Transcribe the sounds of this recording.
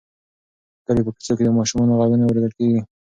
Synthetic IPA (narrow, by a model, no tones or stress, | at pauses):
k̪aɾipəki̥soked̪əmɑʃumɑnoɣaɡənawɾed̪əlkeɡi